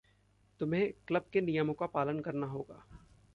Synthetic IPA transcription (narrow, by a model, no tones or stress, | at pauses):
t̪ʊmɦẽkləb̚kenijəmõkapaːlənkɐɾnaɦoːɡaː